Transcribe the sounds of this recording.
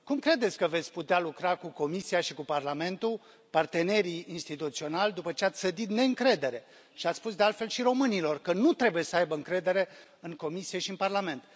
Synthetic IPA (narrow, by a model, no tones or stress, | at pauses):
kumkɾe̞d̪esʲkəve̞t̪sʲput̪ealukɾakuko̞misiaʃikuparlame̞nt̪u | part̪e̞ne̞ɾiːnst̪it̪ut̪sio̞nalʲd̪upət͡ʃe̞at̪sʲsəd̪it̪ne̞ɨŋkɾe̞d̪e̞ɾe̞ | ʃiat̪sspusd̪e̞alt̪fe̞lʃiɾo̞mɨnilo̞rkənut̪ɾe̞buje̞səajbəɨŋkɾe̞d̪e̞ɾe̞ | ɨŋko̞misije̞ʃiɨnparlame̞nt̪